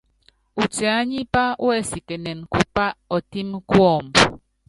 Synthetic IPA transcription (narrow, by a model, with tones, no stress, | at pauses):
u˨t͡se˨a˨˦ɲi˦pa˦w̰e˦si˨kɛ˨nɛ˨nku˦pa˦ɔ˨ti˦mku˦ɔ˦˨m